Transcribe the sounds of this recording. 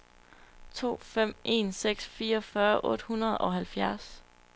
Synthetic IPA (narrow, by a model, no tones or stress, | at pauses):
t͡sʰo̝̰ːfem̰ʔe̝̰ːnseɡ̥sfiːɐɒfɶːɐʔɔ̽d̥hunɐð̞̩ˠɒ̽ɦælfjæɐs